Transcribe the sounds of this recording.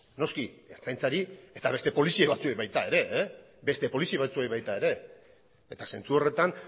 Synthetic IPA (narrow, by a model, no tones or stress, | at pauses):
no̞skiet͡sajnt͡saɾie̞t̪aβe̞st̪e̞po̞lisieβat͡suejβajt̪ae̞ɾe̞ | be̞st̪e̞po̞lisiβ̞at͡suejβajt̪ae̞ɾe̞ | et̪ase̞nt͡suo̞re̞t̪an